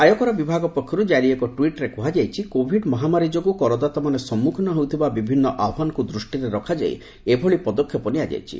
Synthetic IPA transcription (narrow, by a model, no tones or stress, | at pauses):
ajɔkɔɾabibʱaɡɔpɔkʰːjɔɾud͡ʒaɾiekɔʈwiʈɾekuɦad͡ʒajt͡ʃʰikobʱiɖmɔɦamaɾid͡ʒɔɡukɔɾɔd̪at̪ɔmanesɔmːukʰnɔɦowt̪ʰibabibʱinːɔʔabʱɦanɔkud̪ɾusʈiɾeɾɔkʰad͡ʒa̰j̰ | ebʱɔɭipɔd̪ɔkʰːjɔpɔniad͡ʒa̰jt͡ʃʰḭ